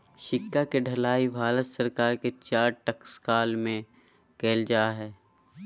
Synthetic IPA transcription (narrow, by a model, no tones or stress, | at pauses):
ʃɪkːakeɖʱɐlaːibʱaːlət̪səɾkaːɾket͡ʃaːɾʈɐkskaːlmẽ | keːld͡ʒaːɦɛː